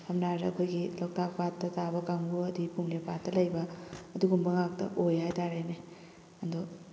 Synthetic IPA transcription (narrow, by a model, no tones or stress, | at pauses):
hamnaɾeɐkʰojɡilak̚tak̚patːɐtabɐkaŋɡuɐdipumlepat̚ːɐlɐjbɐːduɡumbɐŋak̚tɐ̰ʔojɦajtaɾajne | ɐndɔ